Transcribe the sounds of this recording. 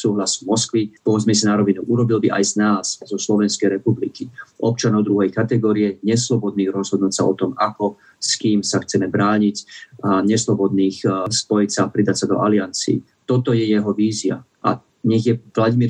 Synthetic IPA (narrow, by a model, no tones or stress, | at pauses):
suːɦlasvmɔskʋipɔzmɛs̬anaɾɔʋinuʔuɾɔbilbiʔa̰jznaːz̥zɔslɔʋɛnskɛjɾɛpublikiʔɔp̚t͡ʃanɔʊd̪ɾuɦɛjkat̪ɛɡɔːɾiɛɲɛslɔbɔd̪̚niːɣɾɔzɦɔd̪nuːcsaʔɔt̪ɔmakɔ | skiːmsaxt͡sɛmɛbɾaːɲicɲɛslɔbɔd̪niːxspɔjicsaːpɾid̪acsad̪ɔ̰ʔaliant͡sḭː | t̪ɔt̪ɔjɛjɛɦɔʋiːzia | ʔa̰ | ɲɛɣjɛvlaɟimiːɾ